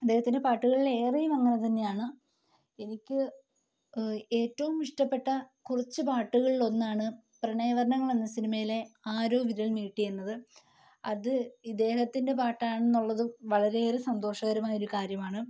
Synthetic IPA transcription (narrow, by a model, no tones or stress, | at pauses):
ɐd̪ːe̞ːɦhɐt̪ːinde̞paːʈːuɣɐɭile̞ːrijumɐŋːɐnet̪ɐnːe̞jaːɳɨ | e̞nikʲːɨ | e̞ːtːɐʋumiʂʈɐpːe̞ʈːɐkurɐt͡ɕːɨpaːʈːuɣɐɭiɭo̞nːaːɳɨ | prɐɳɐjʋɐɾɐɳɐŋːɐɭe̞nːɐsinimɐjile̞aːɾo̞ːʋiɾɐɭniːʈːijenːɐðɨ | ɐðɨid̪e̞ːhɐt̪ːinde̞paːʈːaːɳenːuɭːɐðɨʋɐɭɐɾe̞eːɾɨsɐnd̪o̞ːʂɐɣɐɾumaːjɐoɾukaːɾjɐmaːɳɨ